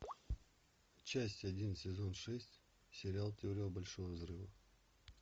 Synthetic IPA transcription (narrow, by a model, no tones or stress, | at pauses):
t͡ɕːasʲtʲɐdʲinsʲɪzo̞nʂɛsʲtʲ | sʲɪɾʲɪalˠtʲɪoɾʲɪjəbɐlʲʂovəvzrɨvə